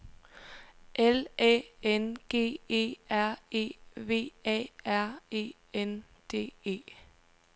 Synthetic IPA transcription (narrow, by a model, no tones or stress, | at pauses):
ʔelɛːenɡ̥e̝̰ːe̝̰ːæɐ̰e̝̰ːʋe̝̰ːɛ̰ːæɐ̰e̝̰ː | en | d̥e̝̰ːe̝̰ː